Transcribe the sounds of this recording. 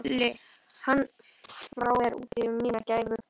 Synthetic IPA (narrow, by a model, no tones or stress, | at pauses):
lɪ | hanː | fɾawɛɾṵːt̪ɪmiːnacaːjvʏ